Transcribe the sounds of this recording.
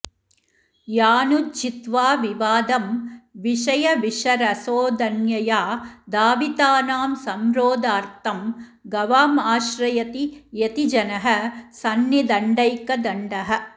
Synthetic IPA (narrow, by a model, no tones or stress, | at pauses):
jaːnut͡ʃit̪ʋaːʋiʋaːd̪ɐmʋiʂɐjɐʋiʂɐɾɐsoːd̪ɐnjɐjaːd̪aːʋit̪aːnaːmsɐmɾoːd̪aːɾt̪ɐm | ɡɐʋaːmaːʃɾɐjɐt̪ijet̪id͡ʒɐnɐɦɐsɐnːid̪ɐɳɖɐjkɐd̪ɐɳɖɐɦɐ̆